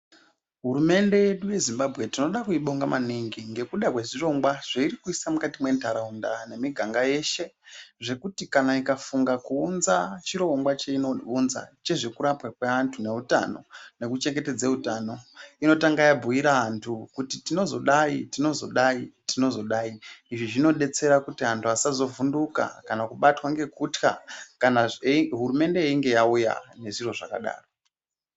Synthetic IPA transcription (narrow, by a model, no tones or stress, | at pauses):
ɦuɾume̞nde̞je̞ɗuje̞zimbabʱɣe̞tino̞ɗakuiɓo̞ŋɡamaniŋɡiŋɡe̞kuɗakwe̞ʐiro̞ŋɡwaʐ̥eiɾikuisamukatimwe̞ntʰaɾaundane̞miɡʱaŋɡaje̞ʃe̞ʐe̞kutikanaikafuŋɡakuːnzat͡ʃiɾo̞ŋɡwat͡ʃeinounza̰t͡ʃe̞ʐe̞kuɾapwakweantʰune̞uta̰no̞̰ne̞kut͡ʃe̞ŋɡe̞te̞d͡zeutaːno̞ino̞taŋɡajabʱuiɾaantʰukutitino̞zo̞ɗaitino̞zo̞̰ɗaitino̞zo̞ɗaːiiʐiʐino̞ɗe̞t͡se̞ɾakutiɦantʰuasazo̞vunduka̰kanakuɓatwaŋɡe̞kutka̰kanaɦuɾume̞nde̞iŋɡe̞jauja̰ne̞ʐiro̞ʐa̰ka̰ɗa̰ːro